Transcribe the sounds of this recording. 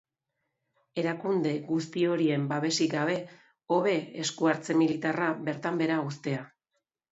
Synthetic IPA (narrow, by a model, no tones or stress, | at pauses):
e̞ɾakund̪e̞ɣus̬t̪io̞ɾie̞mbaβe̞siɡaβ̞e̞ | o̞β̞e̞eskuaɾt͡se̞milit̪araβe̞ɾt̪ambe̞ɾaust̪e̞a